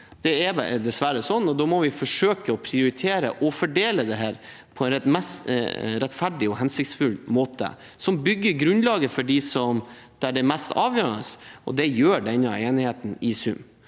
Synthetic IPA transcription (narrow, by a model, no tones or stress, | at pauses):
d̪̥ɛɛd̪ɛsʋæɾəsɔnːɔd̪ɔːmɔʋɪfɔʂøːkəɔpʰɾɪʊɾɪt̪ʰeːɾəʔɔfɔɖeːləd̪ɛɦæːɾ | pʰɔɛnɾɛmɛsɾɛt̪fæɖɪɔɦɛnsɪkt̪sfʉlmoːt̪ə̰ | sɔmbʏɡːəɾɡɾʉnlɑːɡəfɔɖɪsɔm | d̪̥æɖɛmɛst̪ɑːʋjøːɾəɳəsɔ̰d̪ɛjøːɖɛnːɑeːnɪheːt̪n̩ɪsʉ̰m